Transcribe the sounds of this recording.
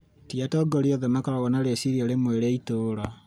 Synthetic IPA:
tiatɔɡoɾioðemakaɾaɣɔnaɾesiɾiaɾemweɾeitoːɾa

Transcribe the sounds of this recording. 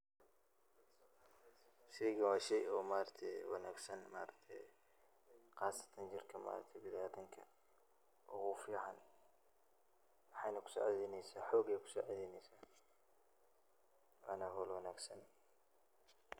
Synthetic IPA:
siɡɐwaːʃɛjɔːmaːɾɐt̪ʰɛwɑ̰naːɡsɐnmaːɾɐɡ̚t̪ʰɛ | qɑːsɐ̥t̪ʰɐnd͡ʒɪrkʰɐma̰ːɾɐ̰t̪ʰɛbɪðaːt̪ʰɐŋkʰɐ̰ | ʔɔɣʊfiːʕan | mɑħɑjnɐkʰʊ̥sɔ̰ːʕɛðɛnɛjsaːħɔːɡɛjkʰʊ̥sɔ̰ːʕɛðɛːnɛjsaː | wa̰nɐɦɔːlwɐnaːɡsɐn

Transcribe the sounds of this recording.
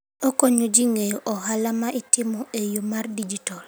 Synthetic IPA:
okoɲod͡ʒiŋejoʔɔɦalamaʔitɪmɔʔejomardid͡ʒitɔl

